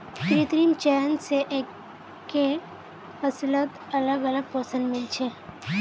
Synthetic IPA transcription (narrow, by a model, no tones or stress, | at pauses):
kɾit̪ɾiːmt͡ʃɛːnseʔeː | kːe | həslət̪ | ɐləɡɐləɡ̚pəːsə̃nɖmɪlt͡ʃʰe